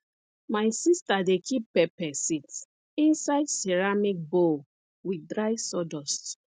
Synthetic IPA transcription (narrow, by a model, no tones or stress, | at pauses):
majsistadekʰippɛpɛsit | ĩnsaɪdseɹamik̚bo | widɹaɪsɔdɔst